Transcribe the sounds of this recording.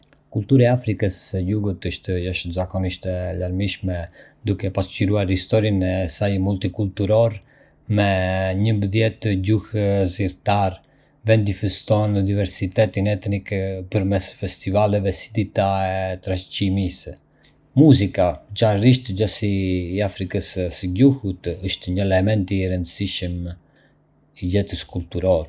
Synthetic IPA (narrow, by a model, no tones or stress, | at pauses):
kult̪uɾaafɾikəsɛluɡut̪iʃt̪əjɔʃzakɔniʃt̪ɛlaɾmiʃmɛd̪ukɛpasciɾuaɾhist̪ɔɾinɛsajmult̪ikult̪uɾɔɾ | mɛɲəmbəðjɛt̪ɟuhziɾt̪aɾ | vɛnd̪ifɛst̪ɔnəd̪ivɛɾsit̪ɛt̪inɛt̪nikpəɾmɛsfɛst̪ivalɛvɛsi̥d̪it̪aɛt̪ɾacimis | muzikat͡ʃanriʃt̪ɛd͡ʒasiːafɾikəssəɟuhut̪əʃt̪ɛɲəɛlɛmɛnt̪iɾənd̪əsiʃəm | ilɛt̪əskult̪uɾɔɾ